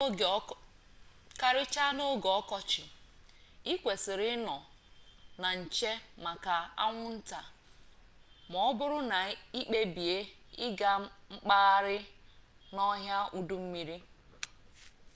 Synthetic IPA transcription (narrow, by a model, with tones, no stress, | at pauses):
ka˨ɾɪ˦t͡ʃa˦no˦ɡɔ˦kɔ˦t͡ʃɪ˨ | i˦kʷe˨sɪ˨ɾɪ˦nɔ˨ | na˨n̩˨t͡ʃe˦ma˨ka˨a̰˦ŋʷʊ˦n̩˦ta˨ | mɔ˨˦ɔ˦bʊ˦ɾʊ˦na˨i˦k͡pe˦bi˨e˦ | ɪ˦ɡa˦ŋ͡m̩˦k͡paː˦ɾɪ˦ | nɔ˦ɦja˦u˨du˦m̩˦mi˦ɾi˦